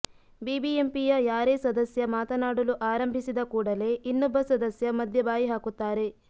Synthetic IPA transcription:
biːbiempijɐjaːɾeːsɐd̪ɐsjɐmaːt̪ɐnaːɽɐluʔaːɾɐmbʱisid̪ɐkuːɽɐle̞inːɔbːɐsɐd̪ɐsjɐmɐd̪ʱjɐbaːjiɦaːkut̪ːaːɾe̞

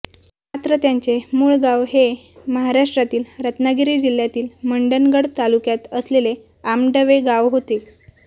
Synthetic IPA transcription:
mat̪ɾət̪jaɲt͡semuːɭɡawɦeməɦaɾaʂʈɾat̪iːlɾət̪naɡiɾiːd͡ʑil̤ːjat̪iːlməɳɖənɡəɽt̪alukjat̪əslele | amɖəʋeɡaʋɦot̪e

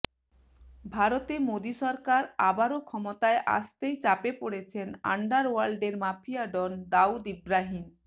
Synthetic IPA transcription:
bʱaɾot̪emod̪iʃɔɾkaɾabaɾokʰɔmot̪aeʔa̰ʃt̪ejt͡ɕapepoɽet͡ɕʰena̰ɳɖaɾwalɖeɾmafʰiaɖond̪aud̪ibɾaɦin

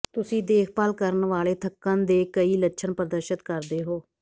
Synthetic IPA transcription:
t̪ʊsĩːd̪eːkʰpəlkəɾənʋaːleːt̪ʰəkːãːnd̪eːkəiːlətːʃʰənpɾəd̪əɾʃət̪kəɾd̪eːɦoː

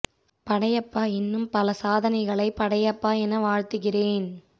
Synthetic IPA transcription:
pɐɽɐjɐpːaːɪnːɯmpɐlɐsaːðɐnɐɪɣɐɭɐɪpɐɽɐjɐpːaːɛnɐʋaːɻt̪ɯɣɪreːn

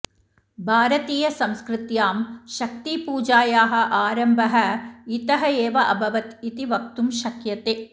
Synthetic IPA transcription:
bʱaːɾɐt̪iːjɐsɐmskɾɪt̪jaːmʃɐk̚t̪ipuːd͡ʒaːjaːɦɐ̆ʔaːɾɐmbʱɐɦɐ̆it̪ɐɦɐeːʋɐʔɐbʱɐʋɐt̪it̪iʋɐk̚t̪umʃɐkjɐt̪eː

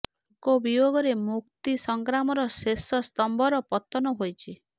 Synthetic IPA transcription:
kobiboɡɔɾemuk̚t̪isɔŋɡɾamɔɾɔsesɔst̪ɔmbʱɔɾɔpɔt̪ɔnɔɦojt͡ʃʰi

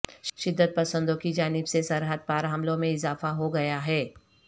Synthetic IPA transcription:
ʃɪd̪ːət̪̚pɐsə̃nd̪õkid͡ʒaːnɪbsesɐɾɦəd̪̚paːɾɦɐmlõmẽɪzaːfaɦoɡɐjaɦɛː

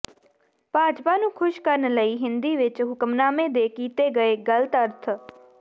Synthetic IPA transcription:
bʱaːd͡ʒpaːnũːkʰʊʃkəɾnləiːɦɪnd̪iːʋɪt͡ʃɦʊkmnaːmẽːd̪eːkiːt̪eːɡəeːɡələt̪əɾt̪ʰ

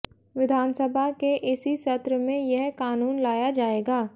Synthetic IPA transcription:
ʋɪd̪ʱaːnsəbʱakeʔɪsiʃɐt̪ɾəmẽjɛɦkaːnuːnlaːjad͡ʒaːeːɡaː

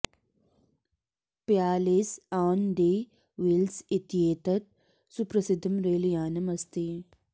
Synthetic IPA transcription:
pjaːlisaːwnɖ̪eː | ʋilsit̪ijeːt̪ɐt̪̚ | supɾɐsid̪ʱɐmɾeːlijaːnɐmɐst̪iː

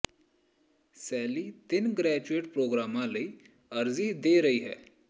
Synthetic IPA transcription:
sɛːlit̪ɪnɡɾɛːd͡ʒueːʈpɾoːɡɾaːmãlɐi | ɐɾzid̪eːɾɐɦiɦɛ̰ː

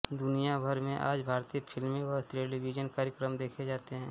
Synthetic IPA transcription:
d̪ʊnijabʱəɾmẽʔa̰ːd͡ʒbʱaːɾt̪iːəpʰɪlmẽʋətɾeːlibid͡ʒənkaːɾjəkɾəmd̪eːkʰed͡ʒaːt̪eɦɛ̃ː

